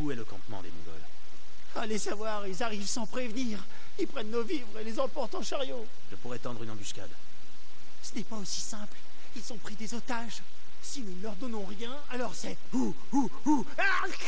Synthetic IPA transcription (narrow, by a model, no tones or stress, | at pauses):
uɛləkɑ̰̃t̪mɑ̰̃d̪emṵɡɔ̰l | alesavwaʁilzaʁivsɑ̃pχevniʁ | ilpχɛnːovivʁelezɑ̃pɔʁt̪ɑ̃ʃaʁjo | ʒəpuʁɛt̪ɑ̃d̪ʁynɑ̃byskʲa̰d̪ | sə̥nɛpaosi̥sɛ̃pl | ilzɔ̃pχid̪ezot̪aʒ | sinunəlœʁd̪ɔnɔ̃ʁjɛ̃alɔʁsɛ | u | u | a